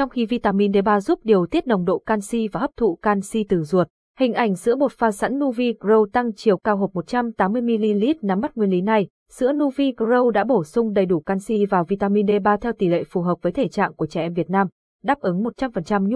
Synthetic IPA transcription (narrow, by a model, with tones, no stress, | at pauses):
t͡ɕɔ˧wŋ͡mxi˧vi˧t̪aː˧mi˧nɗe˧ɓaː˧zu˦˥p̚ɗi˨˩əwt̪i˦˥ət̚nə˨˩wŋ͡mɗo̰˧˨kaː˧nsi˧vaː˨˩həː˦˥p̚t̪ʰṵ˧˨kaː˧nsi˧t̪ɨ˨˧˩zu˨˩ət̚ | hï˨˩ŋ̟ʔa˨˩jŋ̟zɨ̰˧˥əmo˨˩t̚faː˧sa̰˧˥nːu˧vi˧kzə˧wt̪a˧ŋt͡ɕi˨˩əwkaː˧wɦəː˨˩p̚mo˨˩t̚t͡ɕa˧mt̪aː˨˦mːɨ˧əjmi˧li˧li˦˥t̚na˨˧mːa˦˥t̚ŋwi˧əli˨˦na˧j | z̥ɨ̰˧˥ənu˧vi˧kzə˧wɗa̰ː˧˥ɓo˧˩sʊ˧ŋ͡mɗə˨˩jɗu˧˩kaː˧nsi˧vaː˨˩wvi˧t̪aː˧mi˧nɗe˧ɓaː˧t̪ʰɛ˧wt̪i˨˩lḛ˧˨fu˨˩ɦəː˨˩p̚vəː˨˦jt̪ʰe˧˩t͡ɕa̰ː˧˨ŋku˧˩ət͡ɕɛ˧˩ʔɛ˧mvi˨˩ət̚naː˧m | ɗaː˦˥p̚ʔɨ˨˦ŋmo˨˩t̚t͡ɕa˧mfə˨˩nt͡ɕa˧mɲ˦˥